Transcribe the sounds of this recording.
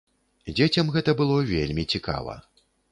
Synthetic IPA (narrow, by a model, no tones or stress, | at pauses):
d͡zʲet͡sʲɐmɣɛt̪ɐbɨlˠɔvʲelʲmʲit͡sʲika̰vɐ̰